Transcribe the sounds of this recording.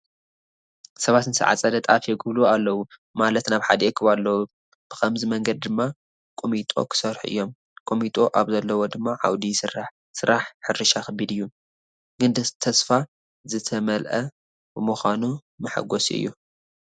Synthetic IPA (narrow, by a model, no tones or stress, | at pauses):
sɐβat̪nɨsɨ̰ʕa̰t͡sʼɐd̪ɐt̪ʼa̰fjɛɡɨβlualːɐwumalɐt̪naβħa̰d̪ɐʔekʰɨβalːɐwu | b̥ɨ̥xʰɐmzimɐŋɡɐd̪̚d̪ɨmːa | kʼomit̪ʼo̞̰kʰɨ̥sɐɾħuʔɨ̰jːo̞m | kʼomit̪ʼo̞ʔaβzɐlːɐwo̞d̪ɨmːaʕa̰wd̪isɨraħ | sɨɾaħħɨɾɨʃaxɐbːid̪ɨjːu | ɡɨnd̪t̪ʰɐsfa | zɨt̪ʰɐmɐlʔɐ | bɨmuxʷanu | mɐħa̰ɡosiɨ̰jːu